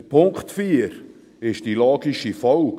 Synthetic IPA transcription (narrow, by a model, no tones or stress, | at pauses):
pʰʊŋkχtfiːɾ | ɪʃd̥ilɑːɡiʃifɔlk